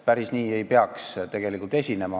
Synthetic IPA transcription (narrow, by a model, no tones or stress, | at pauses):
pæɾisniːe̞jpeɑkst̪e̞ɡ̥e̞likˑult̪e̞sʲine̞mɑ